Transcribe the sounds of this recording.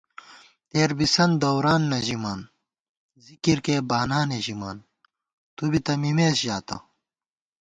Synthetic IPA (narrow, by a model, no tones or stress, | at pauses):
t̪eːɾbisɐnd̪ɐwɾaːnːɐʑimaːn | zikiɾkebaːnaːneʑimaːn | t̪ubit̪ɐmimeːsʑaːt̪ɐ̰